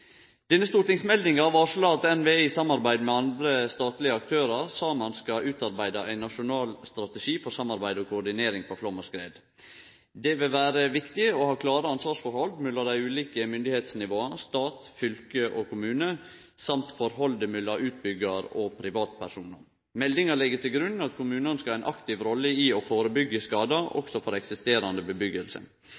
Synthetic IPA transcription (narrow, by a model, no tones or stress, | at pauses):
d̪̥ɛnːəst̪uːɾt̪ɪŋsmɛld̪ɪŋɑʋɑʂɔlɑːt̪ɛnʋeːɪsɑmːɑɾbæɪd̪mɛɑnd̪ɾəst̪ɑːt̪lɪəɑk̚t̪ʰøːɾɑɾsɑːmɑnskɑʔʉːt̪ɑɾbæɪd̪ɑʔæɪnɑʂʊnɑːlst̪ɾɑt̪əʂiːfɔɾsɑmːɑɾbæɪd̪ɔkʰʊɖ̪ɪneːɾɪŋpʰɔflɔmːəskɾeːd̪ | d̪ɛʋɪlʋæːɾəʋɪkt̪ɪəɔhɑːkʰlɑːɾəɑnsʋɑːʂfɔɾhɔld̪mʉlːɔd̪æɪʉːliːkəmʏnd̪ɪheːt̪snɪʋoːɑst̪ɑːt̪fʏlkəʔɔkʊmʉːnə | sɑmt̪fɔɾɦɔld̪əmʏlːɑʔʉːt̪̚bʏɡəɾɔpʰɾɪʋɑːt̪pʰæʂuːnə̰ɾ | mɛld̪ɪŋəɭɪɡːət̪ʰɪlɡɾʉnːɑt̪kʰʊmʉːnənskɑlæɪnʔɑkt̪ɪʋɾɔlːəiɔfoːɾəbʏɡːəskɑːd̪ɑʔɔ̰ksɔfɔɾɛksɪst̪eːɾɑnd̪əbəbʏɡəlsə̰